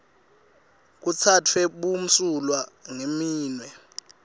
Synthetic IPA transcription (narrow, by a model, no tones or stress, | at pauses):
k̬ut͡sʰatʰwɛɓum̩sulwaŋemiːnwɛ